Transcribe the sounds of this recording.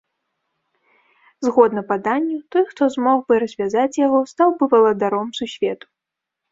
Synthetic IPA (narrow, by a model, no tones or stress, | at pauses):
zɣɔd̪nɐpad̪anʲːut̪ɔjxt̪ɔzmɔɣbɨɾɐzʲvʲazat͡sʲjaɣɔst̪awbɨvɐlˠɐd̪aɾɔmsusʲvʲɛt̪u̥